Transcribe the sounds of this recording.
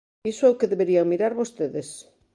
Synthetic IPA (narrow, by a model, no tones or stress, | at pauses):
isʊɛwkeðeβeɾiaŋmiɾaɾβost̪eðes